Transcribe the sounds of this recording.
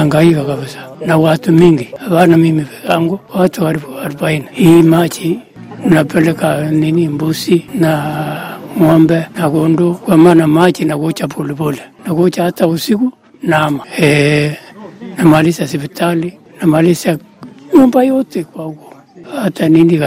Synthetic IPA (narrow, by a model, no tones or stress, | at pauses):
aŋɡajikakaβɪsḁnakwatumiŋɡiaβanamimipɛ̥kaŋɡokatukaɾɪpoaɾpainaimat͡ʃi | napɛlɛkaninimbusina | ŋɔmbɛnakondokamanamat͡ʃinakot͡ʃapʰolibolɛnakot͡ʃatausiku | namaɛ | namalisasɪbitʰali | namalisak | ombajotekwako̥ | ataninik